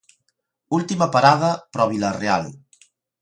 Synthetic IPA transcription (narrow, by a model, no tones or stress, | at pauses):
ulˠt̪iməpaɾaðəpɾɔβilərea̰lˠ